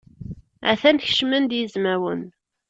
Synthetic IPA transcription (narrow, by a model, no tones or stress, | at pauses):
a̰θænç̥ʃmənd̪jəzmæwə̰n